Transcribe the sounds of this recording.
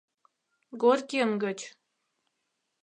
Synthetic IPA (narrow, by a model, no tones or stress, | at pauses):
ɡorʲkʲemɡə̆t͡ɕ